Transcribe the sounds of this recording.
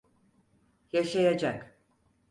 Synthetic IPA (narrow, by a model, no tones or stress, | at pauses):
jaʃajad͡ʒak